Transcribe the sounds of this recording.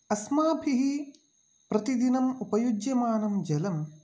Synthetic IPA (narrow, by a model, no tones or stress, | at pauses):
ɐsmaːbʰʱiɦi | pɾɐt̪id̪inɐmupɐjud͡ʒjɐmaːnɐmd͡ʒɐlɐm